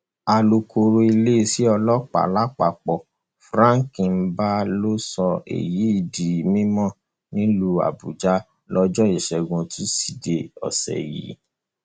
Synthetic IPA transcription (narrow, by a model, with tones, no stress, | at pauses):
a˧lo˧kʰo˧ɾo˧i˧le˦i˦˧si˨˦ɔ˧lɔ˦k͡pa̰˨la˦k͡pa˨k͡pɔ˨ | fɾã˦ŋ˨kĩ˨n̩˦ba˦lo˦sɔ˧ḛ˨ji˨˦i˧˨di˨mĩ˦mɔ̃˦˨ | nĩ˦lu˧a̰˨bu˨d͡ʒa˦ | lɔ˦d͡ʒɔ˦i˨ʃɛ˨ɡũ˧tu˦si˨de˨ɔ̰˨sɛ̰˨jḭ˨˦